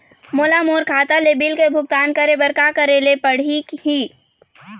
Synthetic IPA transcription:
moːlamoːɾkʰaːt̪aleːbiːlkebʱʊɡ̚t̪aːnkəɾebəɾkakəɾelepəɽ̤ikhiː

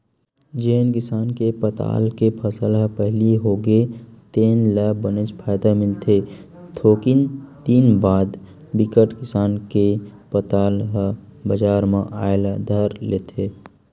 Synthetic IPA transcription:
d͡ʒeːnkɪsaːnkepət̪a̰ːlkepʰəsəlɦəpəɦliɦoːɡet̪eːnləbənet͡ʃpʰaːjd̪amɪlt̪ʰe | t̪ʰoːkint̪iːnbaːd̪ | bɪkəʈkɪsaːnkepət̪aːlɦə | bəd͡ʒaːɾmãʔaːelad̪ʱəɾleːt̪ʰeː

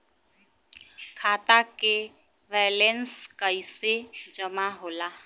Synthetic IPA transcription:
kʰaːt̪ake | ʋɛːlɛnskəised͡ʒəmaɦoːlaː

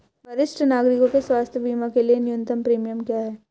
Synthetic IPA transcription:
bɐɾɪʃʈʰənaːɡɾɪkõkeswaːst̪ʰjəbʱiːmakelienɪjʊ̃nt̪əmpɾiːmijəmkjaːɦɛː

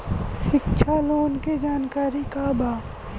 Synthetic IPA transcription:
ʃɪkʃʰaloːnked͡ʒaːnkaːɾikabʱaː

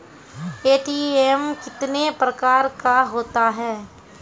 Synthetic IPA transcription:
eːʈiːemkɪt̪nepɾəkaːɾkaɦoːt̪aɦɛː

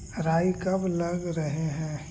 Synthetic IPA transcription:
ɾaːikɐblɐɡɾɐɦeɦɛ̃ː

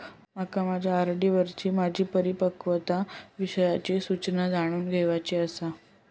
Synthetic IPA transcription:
makamad͡ʑʱaəɾɖiʋəɾt͡ɕiːmad͡ʑʱiːpəɾipəkʋət̪aʋiɕəjat͡ɕisut͡ɕnəd͡zaɽ̃uːnɡʱeʋat͡ɕiəsa

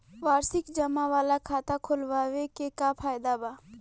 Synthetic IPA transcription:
ʋaːɾsɪkd͡ʒəmaʋaːlakʰaːt̪akʰolʋaːʋekekapʰaːjd̪abaː

